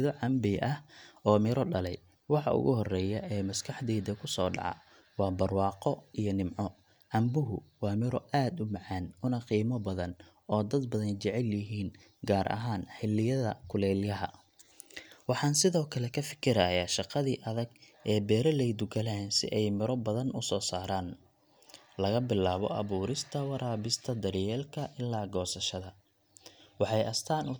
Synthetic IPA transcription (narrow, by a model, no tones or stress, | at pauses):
ðɔʕɑmbɪʔɐhɔːmɪɾɔɖɐlɛj | wɑħɑ̰ʔʊ̰ɣʊ̰ɦɔrɛːjɐʔɛːmɐskʰɑħd̪ɛːd̪ɐkʰʊsɔ̰ːɖɑ̰ʕɑ̰ | wɑːbɐrwɑːqɔijɞnɪmʕɔ | ʕɑmbʊɦʊwɑːmɪɾɔʔaːd̪ʊmɑʕɑːnʊnɐqiːmɔbɐðɐn | ɔːd̪ɐd̪̚bɐðɐnt͡ʃɛʕɛljɪɦiːn | ɡaːɾʔɐ̰ɦaːnħɪlːɪjɐðɐ̰kʰʊlɛːljɐɦɐ̰ | wɑħɑːnsɪðɔːkʰɐlɛkʰɐfɪ̥kʰɪɾɐjaːʃɑqɑðiːʔɐðɐɡ | ɛːbɛːɾɐlɛjd̪ʊɡɐlɛːnsɪ̰ʔɛjmɪɾɔbɐðɐnʊsɔːsaːɾaːn | lɐɣɐbɪlaːβɔ̰ʔɐ̰βuːɾɪst̪ʰɐwɑɾʔaːβɪst̪ʰɐd̪ɐɾjɛːlkʰɐʔɪlːaːɡɔːsɐʃɐðɐ | wɑħɑjʔɐst̪ʰaːnʊ